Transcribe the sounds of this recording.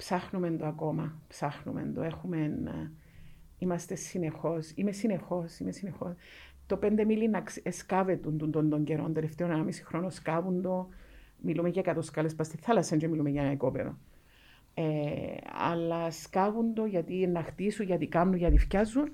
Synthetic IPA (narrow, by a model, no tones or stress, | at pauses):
psɐxnumend̪oɐko̞mɐpsɐxnṵmḛnd̪o̰e̞xume̞n | imɐst̪e̞sine̞xo̞simesine̞xo̞simesinexo̞s | t̪o̞pe̞nd̪emilinɐkeskɐve̞t̪und̪und̪ond̪oɲɟeɾo̞̰nd̪eleft̪eonnamisi̥xɾo̞noskɐvund̪o̞milumeʝɐkɐt̪oskɐlespɐst̪iθɐlɐsɐnd͡ʒomilumeʝɐnɐikopḛɾo̞̰ | e | ɐ̰lːɐskavund̪oʝɐt̪ienːɐxt̪isuʝɐt̪ikɐmnuʝɐt̪ifcɐzːun